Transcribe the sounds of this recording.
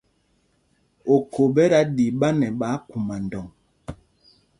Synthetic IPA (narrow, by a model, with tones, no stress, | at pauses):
o˨kʰo˨bɛ˦ɾa˦di˨ɓa˦nɛ˨ɓa˨˦ku˨ma˨n˨dɔ˨ŋ